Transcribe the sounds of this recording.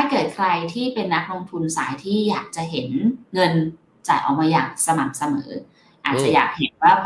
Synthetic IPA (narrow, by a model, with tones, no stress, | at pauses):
t̪ʰaː˥˩kɤː˨˩t̪̚kʰɾa˧jt̪ʰiː˥˩pe˧nːa˦˥k̚lo˧ŋt̪ʰu˧nsaː˩˦jt̪ʰiː˥˩jaː˨˩k̚t͡ɕa˨˩ɦe˩˦nŋɤ˧n | t͡ɕa˨˩jʔɔ̰ː˨˩k̚maː˧jaː˨˩k̚sa˧ma˨˩k̚sa˧mɤ̰ː˩˦ | ʔaː˨˩t̪̚a˨˩ja̰ː˨˩k̚he˨˩˦nwaː˥˩pʰ